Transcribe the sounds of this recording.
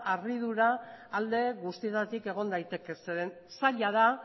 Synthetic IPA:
ariðuɾaːld̪e̞ɣust̪ie̞t̪at̪ike̞ɣ̞o̞nd̪ajt̪e̞ke̞seɾen | saʎað̞a

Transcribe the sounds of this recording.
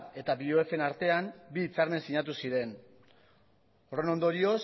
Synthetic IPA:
e̞t̪abioe̞fe̞naɾt̪e̞ambiːt͡saɾme̞nsiɲat̪̬usiɾe̞n | o̞re̞no̞nd̪o̞ɾio̞s

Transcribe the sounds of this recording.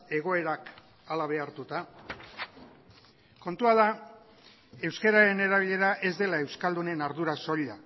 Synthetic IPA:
e̞ɣ̞o̞e̞ɾak | alaβ̞e̞aɾt̪ut̪a | ko̞nt̪uað̞a | e̞wskeɾaɾe̞ne̞ɾaβiʎe̞ɾaʔe̞zd̪e̞lae̞wskald̪une̞naɾðuɾaso̞ʎa

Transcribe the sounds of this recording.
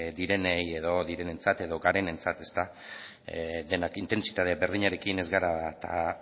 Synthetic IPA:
d̪iɾe̞neje̞ðo̞ðiɾe̞ne̞nt͡sat̪e̞ðo̞ɡaɾe̞ne̞nt͡sat̪e̞st̪a | d̪e̞nakint̪e̞nsi̥t̪aðebe̞ɾðiɲaɾe̞kine̞zɣaɾat̪a̰

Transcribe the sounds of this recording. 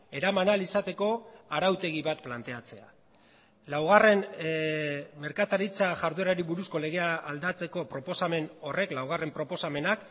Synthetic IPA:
e̞ɾamanalisat̪e̞ko̞aɾawt̪e̞ɣ̞iβat̪plant̪e̞at͡se̞a̰ | lawɣ̞are̞n | me̞ɾkat̪aɾit͡saʝaɾðueɾaɾiβuɾusko̞le̞ɣ̞e̞aːld̪at͡se̞ko̞pɾo̞po̞same̞no̞re̞klawɣ̞are̞mpɾo̞po̞same̞nak

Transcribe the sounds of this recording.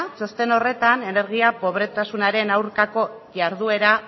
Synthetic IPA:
so̞st̪e̞no̞re̞t̪ane̞ne̞ɾɣ̞iapo̞β̞ɾe̞t̪asunaɾe̞nawɾkako̞ | ʝaɾðue̞ɾa

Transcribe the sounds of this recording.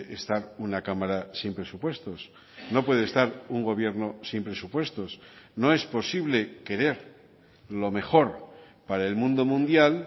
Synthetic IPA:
ʔest̪aɾunakamaɾasimpɾe̞supwe̞st̪o̞s | no̞pwe̞ð̞est̪aɾuŋɡo̞β̞je̞ɾno̞simpɾe̞supwe̞st̪o̞snoe̞spo̞siβle̞ke̞ɾe̞ɾ | lo̞me̞xo̞ɾ | paɾaelmũnd̪o̞mũnd̪jal

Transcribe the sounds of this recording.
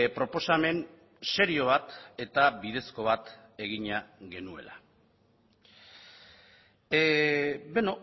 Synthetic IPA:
pɾo̞po̞same̞n | se̞ɾio̞β̞at̪e̞t̪aβiðe̞sko̞βat̪ | e̞ɣ̞iɲaɣe̞nue̞̰la | beno

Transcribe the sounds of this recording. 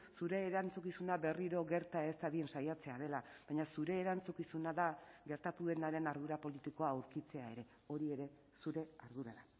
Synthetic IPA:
suɾe̞ːɾant͡sukisunaβe̞riɾo̞ɣe̞ɾt̪ae̞st̪aðie̞nsajat͡se̞aðe̞laβajɲasuɾe̞ːɾant͡sukisunaðaɣe̞ɾt̪at̪uðe̞naɾe̞naɾð̞uɾapo̞lit̪iko̞aːwɾkit͡se̞ae̞ɾe̞ | o̞ɾie̞ɾe̞ | suɾe̞aɾðuɾa̰ða

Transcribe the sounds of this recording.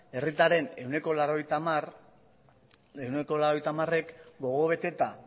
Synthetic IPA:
e̞rit̪aɾe̞ne̞wne̞ko̞laɾo̞jt̪amr | ewneko̞laɾo̞ejt̪amare̞kɡo̞ɣo̞βe̞t̪e̞t̪a

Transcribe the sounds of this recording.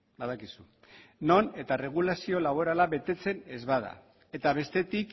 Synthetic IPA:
baðakisu | no̞ne̞t̪are̞ɣ̞ulasio̞laβo̞ɾalaβe̞t̪e̞t͡se̞ne̞zβað̞a̰ | e̞t̪aβ̞e̞st̪e̞t̪ik

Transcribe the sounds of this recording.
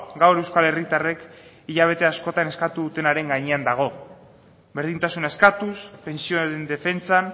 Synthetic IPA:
ɡawɾe̞wskale̞rit̪are̞k | iʎaβ̞e̞t̪e̞asko̞t̪ane̞skat̪uðut̪e̞naɾe̞ŋɡaɲeand̪aɣ̞o̞ | be̞ɾð̞int̪asunaeskat̪uspe̞nsio̞ðend̪e̞fe̞nt͡san

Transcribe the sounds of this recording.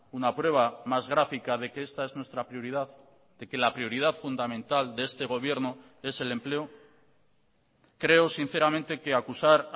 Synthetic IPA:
unapɾwe̞β̞amazɣɾafikaðekeest̪aeznwe̞st̪ɾapɾjoɾiðað | d̪e̞ke̞lapɾio̞ɾiðaθfund̪amẽ̞nt̪ald̪eest̪e̞ɣ̞o̞β̞je̞ɾno | e̞se̞le̞mple̞o | kɾe̞o̞sin̟θe̞ɾamẽnt̪e̞ke̞akusaɾ

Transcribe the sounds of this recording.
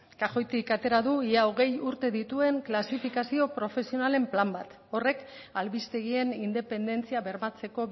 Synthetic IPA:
kaxo̞jt̪ikat̪e̞ɾaðuiaoɣ̞e̞juɾt̪e̞ðit̪ue̞ŋklasifikasio̞pɾo̞fe̞sio̞nale̞mplambat̪ | o̞re̞k | alβist̪e̞ɣ̞ie̞nind̪e̞pe̞nd̪e̞nt͡siaβe̞ɾmat͡se̞ko̞

